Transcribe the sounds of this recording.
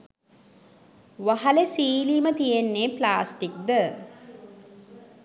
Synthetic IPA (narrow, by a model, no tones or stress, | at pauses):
ʋaɦaləsiːlimət̪ijenːeːplaːsʈik̚d̪ə